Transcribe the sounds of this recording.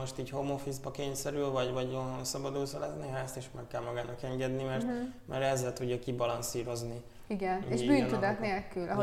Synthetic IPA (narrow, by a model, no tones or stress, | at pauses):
oʃt̪iːchomofizbɒkeːɲsɛɾylvɒɟvɒɟonɦonsɒbɒd̪uːsolɛzneɦaːst̪eːʃmɛkːɛlmɒɡaːnɒkɛŋɡɛd̪nimɛrt̪mɛɾɛzːɛlt̪uɟːɒkibɒlɒnsiːɾo̞zni | iɡɛneʒbyːnt̪ud̪ɒt̪neːlkylʔɒɦo